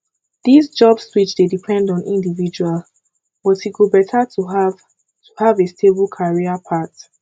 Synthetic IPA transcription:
ð̥izd͡ʒɔbswit͡ʃdedipʰɛ̃ndɔ̃nʔĩndivid͡ʒual | bʌtiɡobɛtʰatuav | tʰuhavestʰebəlˠkʰaɹiapʰat

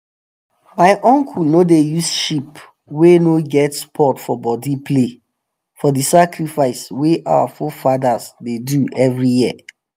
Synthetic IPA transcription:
maɪʔɔ̃ŋkʰulnodejusʃip | wenoɡɛtspʰɔtfɔbɔdipʰle | fɔdisakɹifaɪsweʔa̰wa̰fofadasdeduɛvɹijiə̰

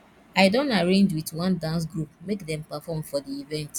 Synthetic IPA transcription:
aɪdõntaɹẽɲd͡ʒwitwãndãns̬ɡɹup̚mekdɛ̃mpafɔmfɔdiivɛ̃nt

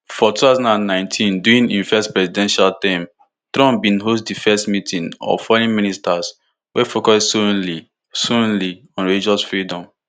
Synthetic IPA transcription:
fɔtutazãnãnːãɪ̃ntʰĩnduĩnĩnfɛstpɹɛsidɛ̃nʃaltãm | tɹɔ̃mbĩnɦosdifɛstmitʰĩnɔ̰fɔɹĩnministas | wɛfokɔssũnli | sũnli | ɔ̃nɹelid͡ʒɔsfɹidɔ̃m

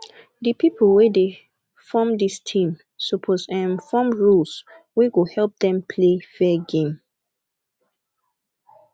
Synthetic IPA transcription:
dəpipʰolwede | fɔmdistʰĩm | sopʰosɛ̃nfɔmɹuls | weɡohɛlp̚dɛ̃mpʰlefɛɡẽm

